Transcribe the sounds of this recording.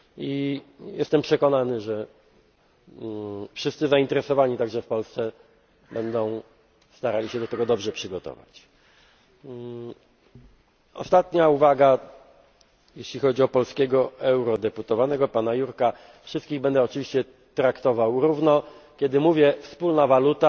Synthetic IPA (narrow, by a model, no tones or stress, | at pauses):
ijɛst̪ɛmpʂɛkɔnanɘʐɛ | fʂɘst̪sɘzaint̪ɛɾɛsɔvaɲit̪aɡʐɛfpɔlst̪sɛ | bɛnd̪ɔ̃w̃ | st̪aɾalʲiɕɛd̪ɔt̪ɛɡɔd̪ɔbʐɛpʂɘɡɔt̪ɔ̰va̰t͡ɕ | ɔ̰st̪at̪ɲauvaɡa | jeɕlʲixɔd͡ʑiɔpɔlskʲɛɡɔɛwɾɔd̪ɛput̪ɔvanɛɡɔpanajuɾka | fʂɘst̪kʲiɣbɛnd̪ɛɔt͡ʂɘvʲiɕt͡ɕɛ | t̪ɾakt̪ɔvawɾuvnɔkʲjɛd̪ɘmuvʲjɛfspulnavalut̪a